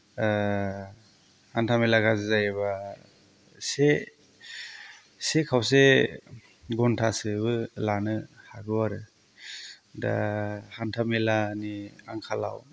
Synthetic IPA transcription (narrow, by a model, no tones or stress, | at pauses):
hantʰamelaɡazɯzajeβa | se | sekʰawse | ɡɔntʰasɯbɯlanɯhaɡuaɾɯ | da̰hantʰamelaniaŋkʰala̰w